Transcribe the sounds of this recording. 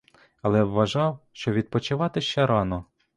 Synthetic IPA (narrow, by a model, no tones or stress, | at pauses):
ɐlˠɛʋɐʒɑwʃt͡ʃɔʋʲid̪̚pɔt͡ʃɪʋɑt̪ɪʃt͡ʃɛɾɑnɔ